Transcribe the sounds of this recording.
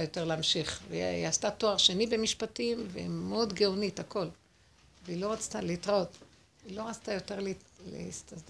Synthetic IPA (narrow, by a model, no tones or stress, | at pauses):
ajo̞te̞ʁleamʃiχveiast̪ato̞aʁʃe̞nibe̞miʃpatimveimeod̪ɡeonitako̞l | veilo̞ʁat͡st̪alitʁot | ilo̞ʁat͡st̪ajo̞te̞ʁlilḛsta